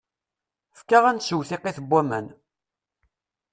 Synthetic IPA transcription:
fkaʁænsəwθiqːiθbʷːæmæ̰n

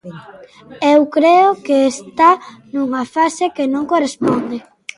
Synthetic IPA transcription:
ewkɾeokeːst̪anuŋafasekenõŋkorespɔnd̪e

